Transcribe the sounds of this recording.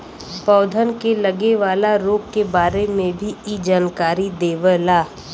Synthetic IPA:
pɔːd̪ʱənkelɐɡeʋaːlaɾoːɡkebaːɾemẽbʱiid͡ʒaːnkaːɾid̪eːʋəlaː

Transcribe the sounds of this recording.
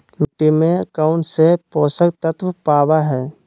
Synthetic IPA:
mɪʈːimẽəkaːʊɳʈsepɔːsək̚t̪ət̪ʰwəpaːwaɦɛː

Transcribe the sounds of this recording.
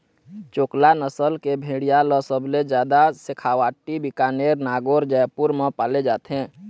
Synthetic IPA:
t͡ʃoːklanəsəlkebʱeːɽijaləsəbled͡ʒjaːd̪asɪkʰaːwaːʈibɪkaːneːɾnaːɡoːɾd͡ʒəjpuɾmãpaːled͡ʒaːt̪eɦɛ̃ː

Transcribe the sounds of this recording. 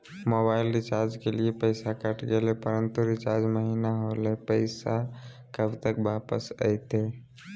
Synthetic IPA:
mobaɪlɾɪt͡ʃaɾd͡ʒkeliepəɪsakəʈɡelepəɾənt̪uɾɪt͡ʃaɾd͡ʒməɦinaɦolepəɪsa | kəbʱt̪əkbapə̰sə̰jt̪e

